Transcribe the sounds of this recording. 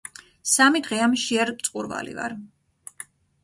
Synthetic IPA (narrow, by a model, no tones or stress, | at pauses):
samid̪ʁɛamʃiɛɾmt̪sʼqʼuɾva̰lḭva̰ɾ